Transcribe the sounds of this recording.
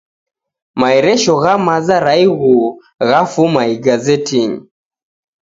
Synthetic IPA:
maɛɾɛʃɔɣamazaɾaiɣu | ɣafumaiɡazɛtiɲi

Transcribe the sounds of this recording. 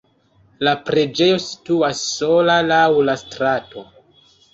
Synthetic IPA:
lapɾe̞d͡ʒe̞jo̞si̥tuasːo̞lalawlastɾato̞

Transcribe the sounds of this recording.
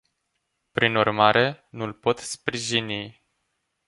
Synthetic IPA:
pɾinurmaɾe̞nulpo̞t̪spɾiʒini

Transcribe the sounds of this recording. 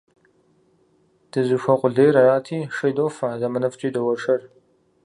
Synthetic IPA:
d̥ɨzɨɕʷɐqʷʼʊɮejɾɐjaːtʰiːʂɐjdoːfɐzɐmɐnɐft͡ʃʼiːdɐwɐʈ͡ʂʰʼɐr

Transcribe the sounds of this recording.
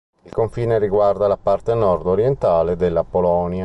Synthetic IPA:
ilkoɱfiːneriɡward̪alapart̪enɔrd̪oɾjent̪aːled̪elːapolɔnja

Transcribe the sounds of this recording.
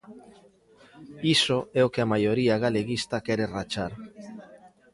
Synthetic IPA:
isoɛokeamajoɾiaɣaleɣist̪akeɾerat͡ʃaɾ

